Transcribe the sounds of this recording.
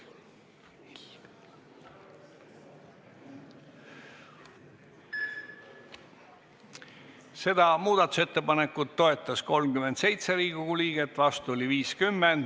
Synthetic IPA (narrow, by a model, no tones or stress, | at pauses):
se̞d̪̥ɑmuːd̪ɑt̪ːˑu̥se̞t̪ːe̞pɑnekːˑut̪ːo̞e̞t̪ːˑɑsko̞lmkyment̪se̞jt̪seɾiːɡ̥uɡuliːɡ̥et̪ːˑvɑst̪uoliviːskymːend̪̥